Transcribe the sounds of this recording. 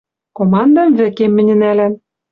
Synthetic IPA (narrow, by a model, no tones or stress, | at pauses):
komɑnd̪ɑmvɘ̆kemːɘ̆nʲɘ̆nælæm